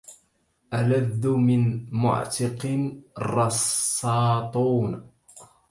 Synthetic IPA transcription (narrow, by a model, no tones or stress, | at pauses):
ʔaladːʊmɪnmʊ̰ʕt̪ɪqɪnrˤːɑsːɑːt̪ˤuːn